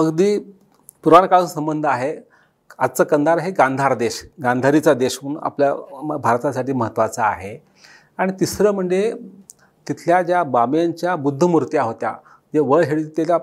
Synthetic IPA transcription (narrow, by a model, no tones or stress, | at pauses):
əɡd̪iː | puɾankasəmbənd̪ʱaɦe | ad͡zt͡səːkənd̪ʱaɾɦeɡãnd̪ʱaɾd̪eɕɡãnd̪ʱaɾit͡sad̪eɕuːna̰pljabʱaɾt̪asaʈiːməɦət̪ːʋat͡sa̰ːɦe | aɽ̃it̪isɾəːm̤əɳd͡ze | t̪it̪ʰljad͡ʑjabamjaɲt͡ɕjabud̪ʱːəmuɾt̪jaɦot̪ja̰ | d͡ʑeʋəɭɦeɭit̪ela